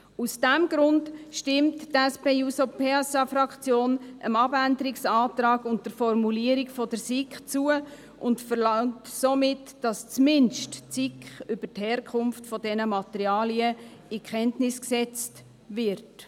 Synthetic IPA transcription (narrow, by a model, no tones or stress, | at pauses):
usd̥æmɡɾʊndʃtɪmttɛspeːusopʰeɛsɑfɾɑkt͡sjoːnʔəmɑbændəɾiksɑːtɾɑːɡʊntd̥əɾfɔrmuliəɾikfɔd̥əɾsikχt͡suə | ʔʊntfəɾlɑŋtsomɪtd̥ɑst͡smɪnʃtt͡sikχʏb̥əthɛːɾkʰʊnftfɔdɛnəmɑt̪əɾiɑːliəɪkχɛntnɪsksɛt͡st | vɪɾt